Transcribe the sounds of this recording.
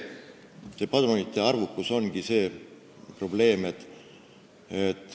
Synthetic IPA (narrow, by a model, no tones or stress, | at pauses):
sepɑd̪unit̪ːˑeɑrvukːuso̞nɡ̥ise̞ː | pro̞b̥le̞ːme̞t̪ːˑ | et̪ːˑ